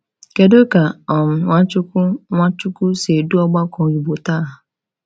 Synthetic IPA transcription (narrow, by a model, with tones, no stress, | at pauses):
ke˨do˦ka˨ɔ˨m̩˨ŋʷa˦t͡ʃʊ˦ku˦ŋa˦t͡ʃu˦ku˦se˨du˦ɔ˦ɡ͡ba˦kɔ̃˨ɾi˨bo˨ta˦˨ɦʊ˨